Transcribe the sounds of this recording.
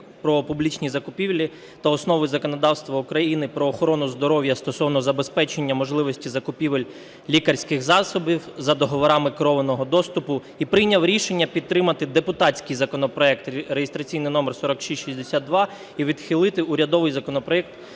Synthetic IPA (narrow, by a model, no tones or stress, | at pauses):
pɾɔpublʲit͡ʃnʲizɐkʊpʲiwlʲi | t̪ɐɔsnɔʋɪzɐkɔnɔd̪ɑwst̪ʋɐukɾɐjinɪpɾɔːxɔɾɔnʊzd̪ɔɾɔwjɐst̪ɔsɔwnɔzɐbespɛt͡ʃenʲːɐmɔʒlˠɪʋɔsʲtʲizɐkʊpʲiʋelʲ | lʲikɐrʲsʲkɪxzɑsɔbʲiwzɐd̪ɔɦɔʋɔɾɑmɪkɾɔʋenɔɦɔd̪ɔst̪ʊpʊ | ipɾɪjnʲɐwɾʲiʃenʲːɐpʲid̪t̪ːɾɪmɐt̪ɪd̪epʊt̪ɑt͡sʲkɪjzɐkɔnɔpɾɔɛk̚t̪ɾejest̪ɾɐt͡sʲijnɪjnɔmersɔɾɔkʃisʲʃisʲd̪esʲad̪̚d̪ʋɑ | iʋʲid̪xʲilˠɪt̪ɪʊɾʲɐd̪ɔʋɪjzɐkɔnɔpɾɔɛk̚t̪